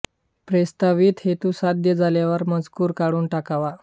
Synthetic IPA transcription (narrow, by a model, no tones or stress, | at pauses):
pɾest̪aʋiːt̪het̪uːsad̪jəd͡zʱaljaʋəɾməd͡zkuːɾkaɽuːnʈakaʋa